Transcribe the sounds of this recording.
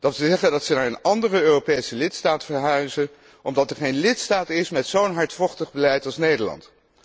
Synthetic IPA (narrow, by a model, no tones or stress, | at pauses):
d̥ɑtsəzɛχəndɑtsənaːɹənɑndərəøːropejsəlɪtstaːtfəɹɦœɥzə | ʔɔmdɑtɛɹχejnlɪtstaːtɪsmɛtsownɦɑɹtfɔχtəχbəlɛjtɑlˠsnejdəɹlɑ̰nt